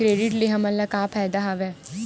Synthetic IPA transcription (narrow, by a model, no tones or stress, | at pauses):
ɾeːɖɪʈleɦɐmɐlːakaːpʰaːjd̪aɦaʋɛː